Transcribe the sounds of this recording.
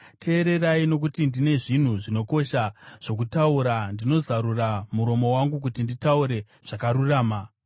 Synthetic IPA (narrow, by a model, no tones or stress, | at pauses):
tʰe̞ːɾe̞raino̞k̬utindine̞ʐin̤uʐino̞ko̞ʃaʐ̥o̞k̬utauɾandino̞zaɾuramuɾo̞mo̞waŋɡuk̬utinditauɾe̞ | ʐ̥akaɾuraːma